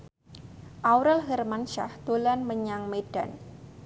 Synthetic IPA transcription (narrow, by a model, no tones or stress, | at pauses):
ʔawɾəlɦərmanʃa̰hd̪̥olanməɲaŋmed̥an